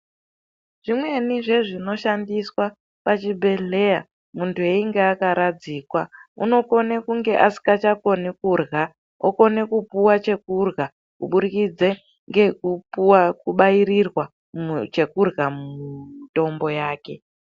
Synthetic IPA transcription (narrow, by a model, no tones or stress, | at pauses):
ʐ̥imwe̞niʐe̞ʐino̞ʃandiswa | pat͡ʃibʱe̞ɮe̞ja̰ | muntue̞iŋɡeakaɾad͡ziːkwaṵno̞ko̞nekuŋɡe̞ʔasi̥kat͡ʃako̞nikurɣa | o̰ko̞ne̞kupuwat͡ʃe̞kurɣa | kṵɓuɾikid͡ze | ŋɡekupwakuɓaiɾirwa | mt͡ʃe̞kurɣamto̞mbo̞jaːke̞